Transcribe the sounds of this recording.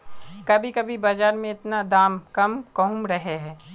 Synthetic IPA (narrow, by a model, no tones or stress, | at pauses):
kɐbʱikɐbʱibad͡ʒaːɾmẽɪt̪nad̪aːmkɐmkɐɦʊ̃mɾɐɦeɦɛː